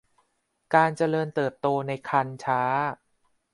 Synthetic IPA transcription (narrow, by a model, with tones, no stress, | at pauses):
kaː˧nt͡ɕa˧lɤː˧nt̪ɤː˨˩p̚t̪oː˧na˧jkʰa˧nt͡ɕʰaː˦˥